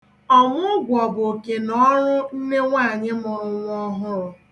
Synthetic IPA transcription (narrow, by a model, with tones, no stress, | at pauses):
ɔ˦ŋʷʊ˦ɡʷɔ˨bo˨ke˨nɔ˦ɾʊ˦n̩˦ne˦ŋʷa˦˨ɲɪ˦mʊ˨ɾʊ˨ŋʷ˦ɔ˦ɦʊ˦ɾʊ˨